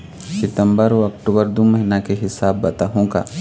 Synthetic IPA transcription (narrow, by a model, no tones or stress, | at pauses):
sɪt̪ə̃mbəɾoɐk̚ʈuːbəɾd̪omɐɦɪnakeɦɪsaːbːɐt̪aɦõːɡa̰ː